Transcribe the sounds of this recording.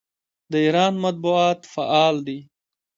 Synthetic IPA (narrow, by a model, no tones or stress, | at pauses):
d̪əiːɾɑːnmat̪̚buɑːt̪faʔɑːld̪i